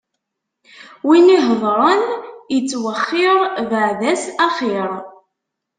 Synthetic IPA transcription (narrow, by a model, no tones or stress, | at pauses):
winiɦəðˤɾˤənjət͡sːwəχːɪɾˤvəʕðæsæχiɾˤ